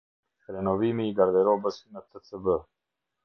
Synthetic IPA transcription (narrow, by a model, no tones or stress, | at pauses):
xɾenoːwiːmiɡɐɾd̪eːɾoːbəsinɐt̪ʰət͡səbə